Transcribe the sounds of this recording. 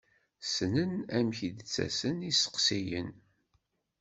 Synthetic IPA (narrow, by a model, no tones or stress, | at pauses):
snənæmçid̪t͡sːæ̰sənisə̥qsijə̰n